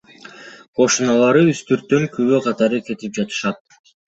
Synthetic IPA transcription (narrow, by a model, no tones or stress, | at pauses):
qo̞ʃunɑlˠɑɾɯyst̪yɾt̪ːøŋkʰyβøqʰɑt̪ɑɾɯke̞t̪ip̚d͡ʒɑt̪ɯ̥ʃɑt̪̚